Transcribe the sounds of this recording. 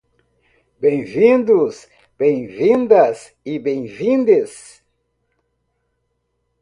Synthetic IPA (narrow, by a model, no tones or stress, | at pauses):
bẽj̃vĩnd̪ʊs | b̥ẽj̃vĩnd̪ɐs | ɪbẽj̃vĩnd̪es